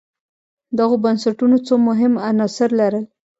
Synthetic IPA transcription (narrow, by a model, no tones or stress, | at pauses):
d̪aɣobansaʈunot͡somʊɦɪmanɑsɪɾlaɾəl